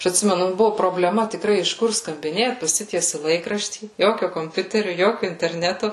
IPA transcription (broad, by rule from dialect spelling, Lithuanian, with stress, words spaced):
ˈɐʃ ɐtʲˈsʲɪmʲɛnʊ ˈbʊʋʊ proːbʲlʲɛˈmɐ tʲɪkˈrɐɪ ɪʃ ˈkʊr skɐmʲbʲɪˈnʲeːt pɐˈsʲɪtʲiɛsʲɪ ˈlˠɐɪkrɐʃʲtʲiː ˈjoːkʲoː koːmʲˈpʲʊtʲɛrʲʊ ˈjoːkʲʊ ɪnʲtʲɛrʲˈnʲæːtʊ